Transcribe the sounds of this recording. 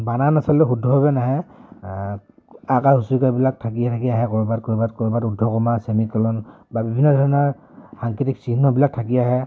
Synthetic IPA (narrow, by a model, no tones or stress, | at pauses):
bananasɔltɛxudʱːɔɦɔbɛnaɦɛj | akaɦusuɹkabilak̚tʰak̬iatʰakiaɦɛkɔɹbat̚kɔɹbat̚kɔɹbatudʱːɔkɔmasemikɛlɔn | babibʱinːɔdʱɔɹɔnɔɹ | xaŋkitiksinːɔbilak̚tʰakiaɦɛ